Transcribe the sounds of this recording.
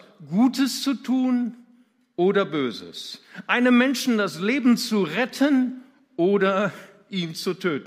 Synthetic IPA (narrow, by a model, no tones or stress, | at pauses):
ɡ̥uːtʰəst͡sutʰuːn | ʔoːdɐbøːzə̰sʔaɪnəmːɛnʃn̩dasleːbm̩t͡suʁɛtʰən | ʔoːdɐ | ʔiːmt͡sutʰøːtn̩